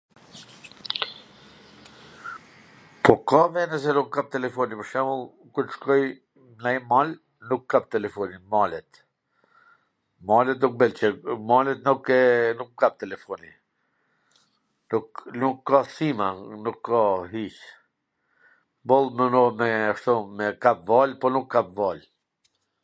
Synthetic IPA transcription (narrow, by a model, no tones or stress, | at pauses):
pɔkavɛnɛs̬ɛnukːap̚t̪ɛlɛfɔnipəɾʃɛmulˠ | kuɾʃkɔj | najmal | nukʰːap̚t̪ɛlɛfɔnimalɛt̪ | malɛt̪̚d̪uk̚bɛlt͡ʃəmalɛt̪̚nukɛnukːap̚t̪ɛlɛfɔni | nuknukːasimanukʰːaɦit͡ʃ | bɔlˠmɛnɔmɛaʃt̪ɔmɛkap̚valpɔnukʰːap̚val